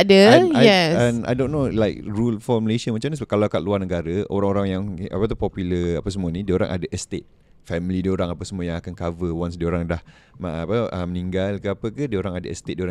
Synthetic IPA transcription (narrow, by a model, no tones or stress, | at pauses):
adəajɛama̰jdonːolajk̚ɾulfɔməleʃənmat͡ʃams̬kalaakat̪̚luarnəɡaɾəo̰ɾaŋoɾaŋjaŋa̰pat̪upɔpjuləapasəmuanidiəoɾa̰ŋʔa̰daʔəst̪et̪̚ | fɛmlidiəoɾaŋapasəmuajãŋakankavəwansdiəoɾaŋdah | maʔa̰paʔəməniŋɡalkəapəkadiəoɾaŋadaə̰st̪et̪̚diəoɾã